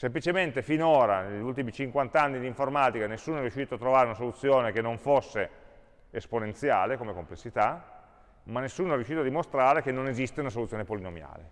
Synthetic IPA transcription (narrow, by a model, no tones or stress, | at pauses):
semplit͡ʃement̪efinoːɾaneʎult̪̬imit͡ʃiŋkwant̪anːid̪iɱformaːt̪ikanesːuːnoɛrjuʃiːt̪oat̪ːɾovaːɾeunasolut̪sːjoːnekenːoɱfosːe | esponent̪sjaːlekomekomplesːit̪a | manːesːuːnoɛrjuʃiːt̪oad̪ːimost̪ɾaːɾekenːonezist̪eunas̬olut̪sjonepolinomja̰ːlḛ